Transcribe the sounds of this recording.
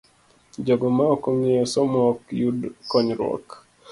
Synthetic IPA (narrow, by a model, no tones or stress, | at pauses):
d͡ʒɔɡɔmaɔkoŋejɔsɔmɔkjudkɔɲɾɔ̰k